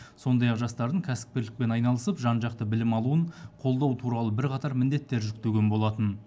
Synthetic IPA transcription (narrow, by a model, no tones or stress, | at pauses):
so̞nd̪ɑjɑqʒɑst̪ɑɾd̪əŋkʲʰæsɪ̥p̚kʲeɾlɪk̚pe̞nɑjnɑlˠəsəpʒɑnʒɑq̚t̪əbɪlɪmɑlˠuəɴqʰo̞lˠd̪ɑwt̪ʰuɾɑlˠəbɪɾqʰɑt̪ɑɾmɪnd̪e̞t̪ːe̞ɾʒʏk̚t̪eɡʲenbo̞lˠɑt̪ən